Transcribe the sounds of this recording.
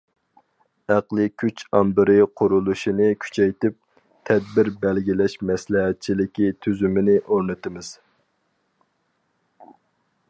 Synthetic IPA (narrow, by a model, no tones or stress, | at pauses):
æqlˠɨkʲʰyt͡ʃɑmbɪɾɪqʰʊɾulˠuʃinɨkʲʰy̥t͡ʃʰɛjt̪ɪp̚ | t̪ʰɛd̪̚bɪɾbɛlɡʲilɛʃmɛslɪɦɛt̪̚t͡ʃʰilɪkʲit̪ʰyzymɪnɪʔoɾnɨt̪ɨmɨz̥